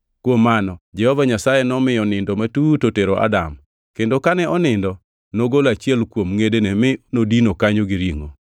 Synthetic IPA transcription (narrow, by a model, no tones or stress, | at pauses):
kwomːanɔd͡ʒɛhɔvaɲasajenɔmɪjɔnɪndɔmatutoteɾoʔa̰dam | kendokanɛʔɔnɪndɔ | noɡolat͡ʃiɛlkwomŋedenɛmɪnodinokaɲoɡiɾiŋo̰